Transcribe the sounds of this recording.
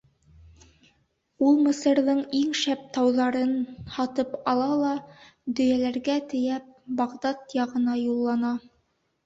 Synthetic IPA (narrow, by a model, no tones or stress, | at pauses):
ulˠmɘ̆sɤ̆ɾðɤɴiŋʃæp̚t̪ɑwðɑɾɤnhɑt̪ɤpɑlˠɑlˠɑ | d̪ɵ̆jælæɾɡæt̪ɘ̆jæp̚bɑʁd̪ɑt̪jɑʁɤ̆nɑjulˠːɑnɑ